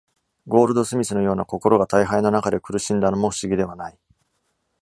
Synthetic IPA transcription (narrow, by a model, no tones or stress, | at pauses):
ɡo̞ːɾɯ̟d̪o̞sɨmʲisɨno̞jo̞ːnako̞ko̞ɾo̞ɡat̪aiɦainonakad̪e̞kɯ̟ɾɯ̟ɕĩnd̪ano̞mo̞ɸɯ̟̥ɕiɡʲid̪e̞β̞anai